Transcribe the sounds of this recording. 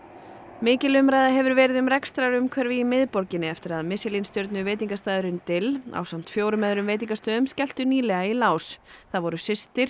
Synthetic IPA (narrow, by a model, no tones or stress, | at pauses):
mɪːcɪlʏmɾajðaɦɛvʏɾvɛːɾɪðʏmɾɛkst̪ɾaɾʏmkʰvɛɾvɪimɪðpɔɾcɪnːɪɛft̪ɪɾaðmɪsɪlinst̪jœɾt̪nʏvejt̪̬iŋkast̪aːjðʏɾɪnt̪ɪla̰wsam̥t̪fjoːwɾʏmɛðɾʏmveːjt̪̬iŋkast̪œːðʏmscɛl̥t̪ʏniːlɛɣailaːwsθaðvɔɾʏsɪst̪ɪɾ̥